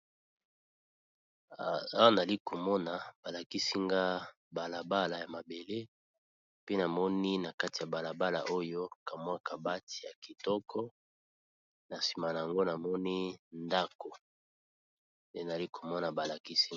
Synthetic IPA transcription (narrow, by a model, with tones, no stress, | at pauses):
wa˦n˨a˨li˦ko˨mɔ˦na˨b̥a˨la˨ki˦si˦ŋɡa˦ | ba˨la˨ba˦la˨ja˨ma˨be˨le˦ | pe˦na˨mɔ˦ni˦na˨ka˦ti˨ja˨ba˨la˨ba˦la̰˨ʔo˦jo˦ka˨m˦a˦˨ka˨ba˦tʰi̥˨ja˨ki˨tɔ˦kʰɔ˦ | na˨si̥˨ma˨na˨ja˨ŋɡo˦na˨mɔ˦ni˦nda˦ko˨ | nde˦na˨a˨i˦kʰo˨mɔ˦na˨ba˨la˨ki˦si˦